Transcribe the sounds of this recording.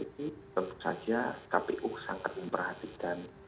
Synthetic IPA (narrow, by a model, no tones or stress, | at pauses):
it̪it̪ənt̪u̥sa̰d͡ʒakapeʔʊksaŋkat̪̚məmpərhat̪ikan